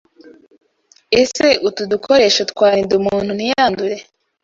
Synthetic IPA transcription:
eseʔutudukʰo̞ɾe̞ʃatkwaːɾindumuːn̥hunijaːnduɾe

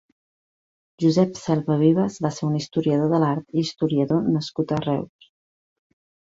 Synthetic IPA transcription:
ʒuzɛpsɛlˠβəβ̞iβ̞əzβaseɾunist̪uɾiəð̞oðəlaɾt̪iːst̪uɾiəðonəskut̪ərɛws

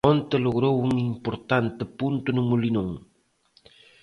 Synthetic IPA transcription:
ont̪eloɣɾowʊŋimpoɾt̪ant̪epunt̪unʊŋulinuŋ

